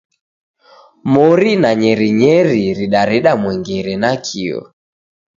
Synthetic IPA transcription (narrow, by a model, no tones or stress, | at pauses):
mɔɾinaɲɛɾiɲɛɾiɾiɗaɾiɗamwɛŋɡiɾɛnakʰiɔ̰